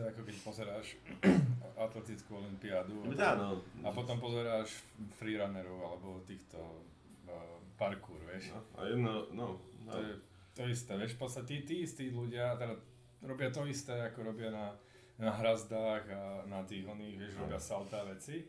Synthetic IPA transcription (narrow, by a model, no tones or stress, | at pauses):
ɛakɔkɛcpɔzɛɾaːʃ | ʔat̪lɛt̪it͡skuɔlimpiad̪ud̪anɔapɔt̪ɔmpɔzɛɾaːʃfɾiɾanɛɾɔʊalɛbɔt̪iːxt̪ɔ̰ | paɾkuːɾʋɪɛʃa̰jɛd̪nanɔɔjɛ | t̪ɔist̪ɛːʋɪɛʃpɔt̪st̪acɛit̪iːist̪iːluɟɪat̪ɛda | ɾɔbɪat̪ɔist̪ɛːakɔɾɔbɪana | naɦɾazd̪aːɣanat̪iːɣɔniːɣʋɪɛʃɾɔbɪasalt̪aʋɛt͡si